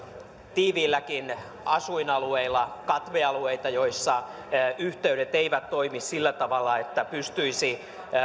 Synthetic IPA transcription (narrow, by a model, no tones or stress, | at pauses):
t̪iːʋiːlːækin | ɑsuinɑlueilːɑkɑt̪ʋeɑlueit̪ɑjoisːɑ | yht̪eyɾet̪eiʋæt̪toimissilːæt̪ɑʋɑlːɑet̪ːæpyst̪yisi